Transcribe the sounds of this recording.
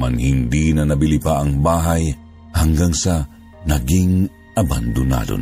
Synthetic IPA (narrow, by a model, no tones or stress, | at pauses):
anhɪnd̪inɐnɐbɪlɪpaʔɐŋbaːɦaj | hɐŋɡaŋsɐ | nɐɡiŋ | ʔɐba̰nd̪ʊna̰lo̰n